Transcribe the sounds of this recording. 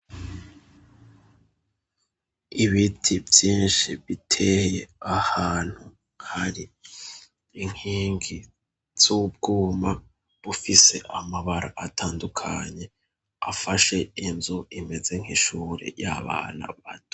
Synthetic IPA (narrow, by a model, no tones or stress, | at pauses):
iβitʰivjiːnʃiβitʰe̞heahaːn̥hu | haɾi | ŋ̥hiːŋɡi | z̥ubɡuːma | βufise̞ʔamaβaɾaʔatʰaːndukʰaɲe̞ | afaʃe̞inzuʔime̞ze̞ŋ̥hiʃuːɾḛja̰βa̰ːna̰βatu̥